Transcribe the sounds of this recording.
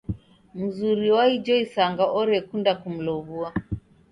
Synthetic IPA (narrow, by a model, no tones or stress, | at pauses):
m̩zuɾiwaid͡ʒɔisaŋɡaʔɔɾɛkundakum̩lɔβua